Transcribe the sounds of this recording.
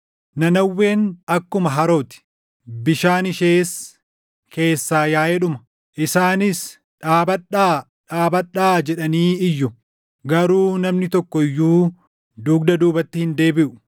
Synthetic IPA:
nɐnɐwːe̞ːnɐkːʊmɐɦɐɾo̞ːt̪ɪ̥ | bɪʃaːnɪʃe̞ːs | ke̞ːsːaːjaːʔɛᶑʊmɐ̥ | ʔɪsaːnɪs | ᶑaːbɐᶑaː | ᶑaːbɐᶑaːd͡ʒɛᶑɐniːɪjːʊ | ɡɐɾuːnɐmnɪt̪ɔkːɔɪjːuː | d̪uːɡ̚d̪ɐd̪uːbɐt̪ːɪhɪnd̪e̞ːbɪʔʊ̥

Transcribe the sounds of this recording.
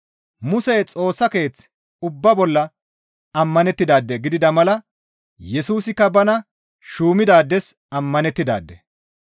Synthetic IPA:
mʊsɛjt͡sʼo̞ːsːɐke̞ːt͡s | ʊbːɐbɔlːɐ | ɐmːɐnɛt̪ːɪd̪aːd̪ːɛɡɪd̪ɪd̪ɐmɐlɐ | jɛsuːsɪkːɐbɐnɐ | ʃuːmɪd̪aːd̪ːɛs | ɐmːɐnɛt̪ːɪd̪a̰ːd̪ːɛ̰

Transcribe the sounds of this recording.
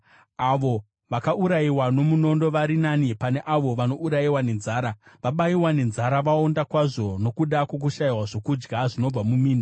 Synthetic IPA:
aʋo̞ | ʋakaʔuɾaiwano̞muno̞ndo̞ʋaɾinanipane̞ʔaʋo̞ʋano̞uɾaiwane̞nzaːɾaʋaɓaiwane̞nzaɾaʋao̞ndakwaʐo̞no̞kuɗakwo̞k̬uʃaiwaʐo̞kud͡ʒɡaʐino̞b͡vamumiːna

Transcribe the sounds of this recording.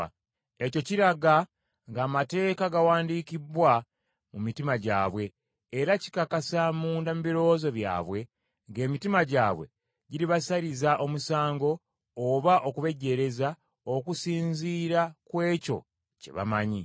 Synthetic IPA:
e̞co̞ciɾaɡa | ŋɡaːmate̞ːkaɡawaːndikiβwa | mumitimaɟa̰ːβwe̞ː | ɾaci̥kakasamuːndamuβiɾo̞zo̞βja̰ːβwe̞ | ŋɡe̞ːmitimaɟaːβwe̞̰ | ɟiɾiβasaɾizaʔo̞musaːŋɡo̞ː | βaʔo̞kuβe̞ɟe̞ɾe̞za | o̞kusiːɲziːɾakwe̞ːco̞̰ | ce̞̰βa̰maɲi

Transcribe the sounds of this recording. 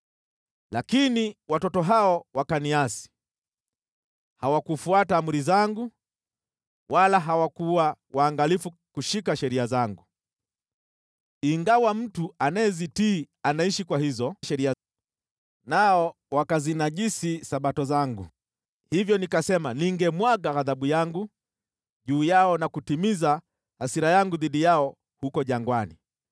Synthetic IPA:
lakiniwatɔtɔɦaɔwakaniasi̥ | hawakufuataːmuɾizaŋɡu | wʔalaɦawakuwawaːŋɡalifukuʃikaʃɛɾiazaŋɡu | iŋɡawam̩tuanaɛzitiː | anaiʃikwahizɔʃɛɾia | naɔ | wakazinaʄisisaɓatɔzaŋɡṵ | hivjɔnikasɛmaniŋɡɛmwaɡaɣaðaɓujaŋɡu | ʄuːjaɔnakutimiza | hasiɾajaŋɡuðiɗijaɔ | hukɔʄaŋɡwani

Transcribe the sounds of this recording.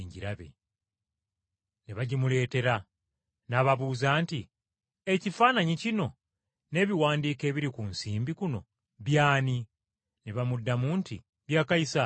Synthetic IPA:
ɲɟiɾaβḛ | neβaɟimule̞ːte̞ɾa | naːβaβuːzaːnti | e̞cifaːnaɲicino̞ | ne̞ːβiwaːndiːke̞βiɾikunsiːmbikuno̞̰ | βjaːni | neβamudːamuːntḭ | βjaːkaisa

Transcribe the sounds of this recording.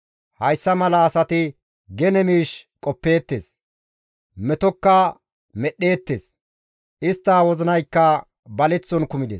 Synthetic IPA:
hɐjsːɐmɐlɐːsɐt̪ɪ | ɡɛnɛmiːʃkʼɔpːe̞ːt̪ːḛːs | mɛt̪ɔkːɐ | mɛɗːe̞ːt̪ːḛːs | ʔɪst̪ːaːwɔzɪnɐjkːɐ | bɐlɛt͡sːɔnkʊmɪd̪eːs

